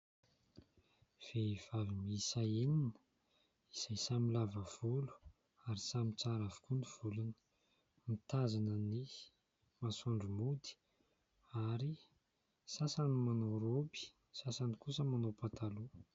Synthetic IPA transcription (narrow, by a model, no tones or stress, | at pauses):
v̥ev̥avimisaininə̥ | iz̥ajsamilavəv̥ulu̥ | aɾisamit͡saɾavu̥kuniv̥ulunə̥ | mit̪azanəni | masuɳɖ͡ʐumud̪i̥ | aɾi | sasanimanoɾobi̥ | sasanikusəmanopat̪alu